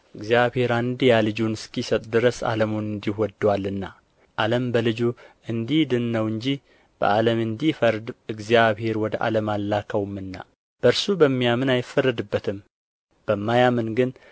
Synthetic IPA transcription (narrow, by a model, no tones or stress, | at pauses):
ʔɨɡzijaβhe̞ɾand̪ijalɨd͡ʒunɨskisət̪ʼd̪ɨɾəsa̰ləmunɨnd̪iwɔd̪ːwalːɨnːa | ʔaləmbəlɨd͡ʒuʔɨnd̪ihd̪ɨnːəwɨɲd͡ʒi | b̥ə̰ʔaləmɨnd̪ifəɾd̪ɨɡzijaβhe̞ɾwɔd̪əʔa̰ləmalːakʰəwmːɨnːa̰ | b̥əɾsubəmːijamɨnajɪfərːəd̪ɨbːət̪ʰɨm | b̥əmːajamɨnɡɨn